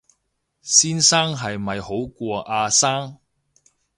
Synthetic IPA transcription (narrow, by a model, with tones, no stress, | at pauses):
siː˥nsaː˥ŋɦɐ˨jmɐ˨jho˨˥wkʷɔː˧ʔaː˧saː˥ŋ